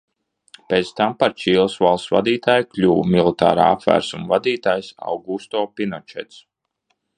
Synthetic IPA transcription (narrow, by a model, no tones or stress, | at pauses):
pʲet̪st̪ampaɾt͡ʃiːlˠsvalˠssva̰d̪iːt̪aːjklʲuːwmilˠit̪a̰ːɾa̰ːa̰pvæ̰ːɾsumvad̪iːt̪aːjsa̰wɡust̪ɔːpʲinɔt͡ʃɛ̰t̪s